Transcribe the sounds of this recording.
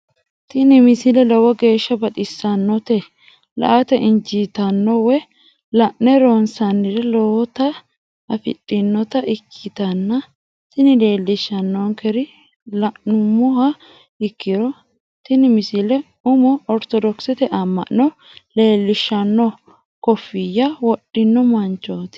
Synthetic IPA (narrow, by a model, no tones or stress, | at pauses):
t̪ɪnɪmɪsɪlɛlɔwɔɡe̞ːʃːɐbɐt̪ʼɪsːɐnːɔt̪ɛ | lɐ̰ʔɐt̪ɛʔɪnd͡ʒiːt̪ɐnːɔwɛ | lɐʔnɛɾoːnsɐnːɪɾɛlɔwɔt̪ɐ | ɐfɪ̰tʼːɪnːɔt̪ɐʔɪkʰːɪt̪ɐnːɐ | t̪ɪnɪle̞ːlːɪʃːɐnːɔŋkɛɾɪ | lɐʔnʊmʊhɐ | ɪkːɪɾɔ | t̪ɪnɪmɪsɪlɛ | ʊmɔɔɾt̪ɔd̪ɔksɛt̪ɛʔɐmːɐ̰ʔɔ | leːlːɪʃːɐnːɔ | kɔfːɪjɐwɔɗɪnːɔmɐnt͡ʃːoːt̪ɪ̥